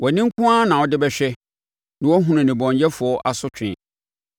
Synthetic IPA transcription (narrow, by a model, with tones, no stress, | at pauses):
wɔ˨nɪ̃˦ŋ̩˦kʰʊ̃˦a˦nã˨wɔ˦dɪ˦bɛ˦ɕᶣɛ˦ | nɪ̃˨wɔ˦ɦũ˦nʊ̃˨nɪ̃˨bɔ̃˨ɲjɛ˦fʊ˨ɔ˦ʔa˨sʊ˦t͡ɕᶣʰɪ̰̃˨